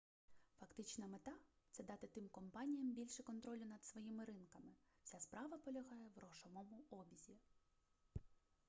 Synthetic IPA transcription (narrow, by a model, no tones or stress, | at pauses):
fɐkt̪ɪt͡ʃnɐmet̪ɑt̪sɛd̪ɑt̪ɪt̪ɪmkɔmpɑnʲijɐmbʲilʲʃɛkɔnt̪ɾɔlʲʊnɐd̪sʋɔjimɪɾɪnkɐmɪw̥sʲaspɾɑʋɐpɔlʲɐɦɑjɛwrɔʃɔmɔmʊɔbʲizʲi